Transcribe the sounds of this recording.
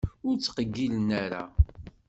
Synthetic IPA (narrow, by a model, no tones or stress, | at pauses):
ʊɾt͡sːqəɡːilənaɾa̰